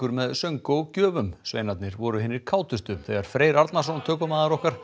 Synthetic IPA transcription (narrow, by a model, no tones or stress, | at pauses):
ʏɾmɛðsœŋkowcœːvʏmsvḛːjnat̪nɪɾvɔɾʏɦɪnːɪɾ̥kʰaːwt̪ʏst̪ʏθɛɣaɾ̥fɾeːjɾaɾt̪nasɔnt̪ʰœːkʏmaːðaɾɔhkaɾ̥